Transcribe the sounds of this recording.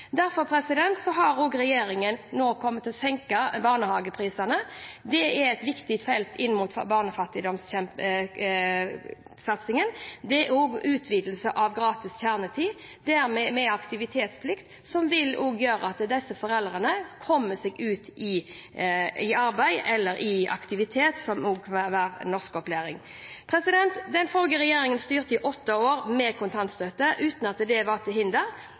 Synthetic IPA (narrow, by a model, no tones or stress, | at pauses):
d̪æɾfɔɾpʰɾɛsɪd̪ɛnt̪sɔɦɑɾoːɡɾɛjeːɾɪŋənnoːkʰɔmːət̪ɔsɛŋkəbɑːʁnəhɑːɡəpʰɾiːsɑnəd̪ɛæɾɛt̪ʋɪkt̪ɪt̪fɛlt̪ɪnːmuːt̪bɑːʁnəfɑt̪ːɪd̪ɔmsçɛmpə | sɑt̪sɪŋənd̪ɛoːɡʉːt̪ʰʋiːd̪l̩səʔɑʋɡɾɑːt̪ɪsçæʁnət̪ʰiːd̪æɾmɛmɛɑkt̪ɪʋɪt̪ʰeːt̪spʰlɪkt̪ | sɔmʋɪloːɡjøːɾə̰ɑt̪d̪ɛsːəfɔʁɛld̪ʁənəkʰɔmːəsɛːɡʉːt̪ɪ | ɪɑɾbæɪɛlːəɾʔɪʔɑ̰kt̪ɪʋɪt̪ʰeːt̪sɔmoːɡʋɑʋɑːɾnɔʁskɔpleːɾɪŋ | pʰʁɛsɪd̪ɛnt̪d̪ɛnfɔlɡəɾɛjeːɾɪŋənst̪yːʁt̪əɪʔɔt̪ːəoːʁmɛkʰʊnt̪ʰɑnt̪st̪øt̪ːəʔʉːt̪nɑt̪d̪ɛʋɑd̪ɛɦɪnd̪əɾ